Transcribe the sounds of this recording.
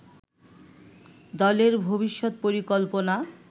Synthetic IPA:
d̪ɔleɾbʱobiʃːot̪̚poɾikolpona

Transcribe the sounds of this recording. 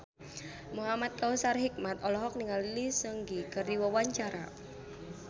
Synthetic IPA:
muɦamat̪̚kausarɦik̚mat̪ɔlɔɦɔk̚niŋalilisəŋɡikərd̪iwɔwaɲt͡ʃaɾa̰

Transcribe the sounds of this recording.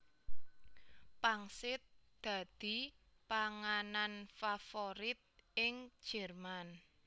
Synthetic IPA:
paŋsɪt̪̚d̪̥a̤d̪̥i̤ | paŋananfafoɾɪt̪̚ɪŋ̥ʒ̥ɛrman

